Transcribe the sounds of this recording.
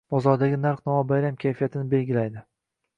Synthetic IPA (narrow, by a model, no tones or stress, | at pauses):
b̥ɒzɒɾd̪aɡʲɪnaɾqnɒabajɾamkʲʰajfijat̪ʰɪnɪbe̞lɡʲɪlajd̪ɪ